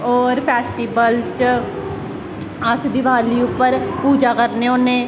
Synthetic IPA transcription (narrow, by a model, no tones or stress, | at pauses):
ɔːɾpʰɛːsʈiːbəlt͡ʃ | əsd̪ɪʋaːliːʊpːəɾpuːd͡ʒaːkəɾneːʊnẽː